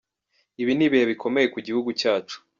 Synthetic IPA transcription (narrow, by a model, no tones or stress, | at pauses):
iβiniβihe̞βikʰo̞me̞je̞kuɟihuɡucaːt͡ʃu̥